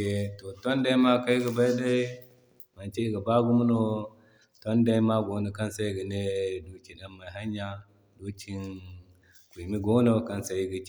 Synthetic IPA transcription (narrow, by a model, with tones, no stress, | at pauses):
e˨to˨to˦nda˦i˦ma˦ka˦ji˦ɡə˨ba˦i˦da˦i˦ | ma˨nt͡ʃe˦i˦ɡa˨ba˦ɡu˦mu˦no˦ | to˦nda˦i˦ma˦ɡo˨no˨ka˦nsa˦i˦ɡi˨ne˦do˨˦t͡ʃi˨ɗa˦mma˨i˨ɦa˦ɲː˦a˦ | do˦t͡ʃi˦n | ki˨mi˦ɡo˦no˦ka˦nsa˨ji˦ɡi˨